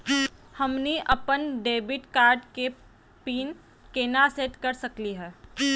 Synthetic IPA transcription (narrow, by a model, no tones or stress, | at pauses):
hɐmniʔɐpənɖeːbɪʈkaːɾɖke | piːn | keːnaseːʈkɐɾsɐkliɦɛː